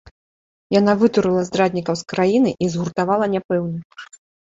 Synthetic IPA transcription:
janavɨt̪uɾɨlˠɐzd̪ɾad̪ʲnʲikɐwskɾajinɨʔizɣurt̪avalˠɐnʲapɛwnɐ

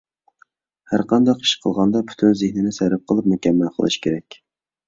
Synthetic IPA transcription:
hæ̰ɾqɑnd̪ɑqi̥ʃqʰəlˠʁɑnd̪ɑpʰy̥t̪ʰynzehnɪnɪsæɾɪp̚qʰəlˠɨp̚mukʲɛmːælqʰə̰lˠɨ̰ʃkʲʰeɾɛkʲ

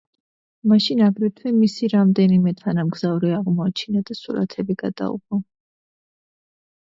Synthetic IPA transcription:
maʃinaɡɾɛt̪ʰwɛmisiɾamd̪ɛnimɛt̪ʰanamɡzavɾiaʁmɔat͡ʃʰinad̪asuɾa̰t̪ʰɛbiɡad̪̥a̰ṵbɔ

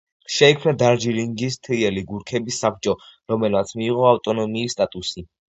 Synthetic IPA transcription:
ʃɛikʰmnad̪aɾd͡ʒiliŋɡist̪ʰiɛliɡuɾkʰɛbisap̚ʰt͡ʃʼɔɾɔmɛlmat̪sʰmiːʁɔaft̪ʼɔnɔmiːst̪ʼat̪ʼusi

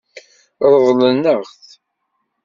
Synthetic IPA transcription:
ɾˤəðlənːəʁθ

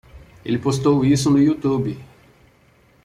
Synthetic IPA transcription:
elɪpost̪owisʊnʊjut̪ubɪ

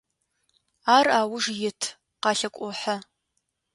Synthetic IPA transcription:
aːraːwʊʐjɪtʰ | qɑːɬɐkʷʼɔħa

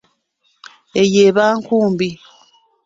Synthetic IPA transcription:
ejeːβaːŋkuːmbi

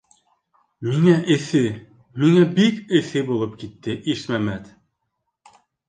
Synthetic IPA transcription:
miŋæʔɘ̆θɘ | miŋæbikɘ̆θɘbulˠɤp̚kit̪ːɘʔiʃmæmæt̪

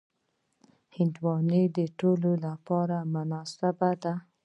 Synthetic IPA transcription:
hɪnd̪wɑnəd̪əʈololapɑɾamʊnɑsabad̪a

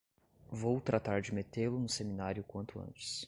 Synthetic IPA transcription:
vowt̪ɾat̪aɾd͡ʒɪmet̪elʊnʊseminaɾjʊkwɐ̃nt̪ʊɐ̰̃nt͡ʃɪ̥s

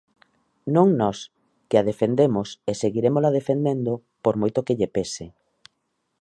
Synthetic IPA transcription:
nõŋnɔs | keaðefend̪emoseseɣiɾemoslaðefend̪end̪o | poɾmojt̪okɪʎepesɪ

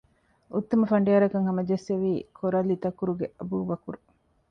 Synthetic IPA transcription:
ut̪ːɐmɐfɐɳ̆ɖiɐɾɐkɐŋɦɐmɐd͡ʒeseʋiːkʰoɾɐlːit̪ɐkːuɾuɡeʔɐbuːʋɐkuɾu

